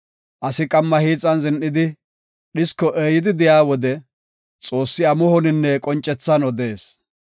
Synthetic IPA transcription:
ʔɐsɪkʼɐmːɐhiːt͡sʼːɐnzɪnʔɪd̪ɪ | ɗɪskːɔʔeːjɪd̪ɪd̪ɪjaːwɔd̪ɛ | t͡sʼo̞ːsːɪɐmʊhɔnɪnːɛkʼɔnt͡ʃʼːɛt͡sːɐnɔd̪e̞ːs

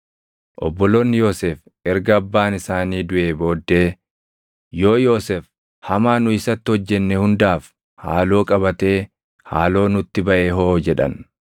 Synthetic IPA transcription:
ʔɔ̰bːɔloːnːɪjo̞ːseːf | ʔɛɾɡɐɐbːaːnɪsaːniːd̪ʊʔe̞ːbo̞ːd̪ːe̞ː | jo̞ːjo̞ːsef | hɐmaːnʊɪsɐt̪ːɪhɔd͡ʒːɛnːɛhʊnd̪aːf | ha̰ːlo̞ːkʼɐbɐt̪e̞ː | ha̰ːlo̞ːnʊt̪ːɪbɐʔeːɦo̞ːd͡ʒɛᶑɐ̰n

